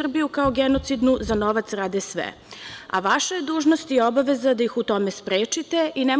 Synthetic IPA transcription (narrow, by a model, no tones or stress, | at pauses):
r̩bijukaoɡenot̪sid̪nuzanoʋat̪sɾaːd̪esʋḛ | a̰ʋaʃajed̪uːʒnost̪iobaʋe̞zad̪ajixut̪o̞me̞spɾeːt͡ʂit̪e̞ʔine